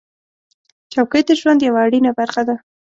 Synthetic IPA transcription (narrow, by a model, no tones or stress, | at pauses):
t͡ʃawkəjd̪əʒwand̪jawaːɽinabaɾxad̪a